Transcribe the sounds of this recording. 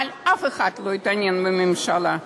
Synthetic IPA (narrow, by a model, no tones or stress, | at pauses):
lʲafɨxat̪lˠojt̪anʲinbɨmɪmʃalˠa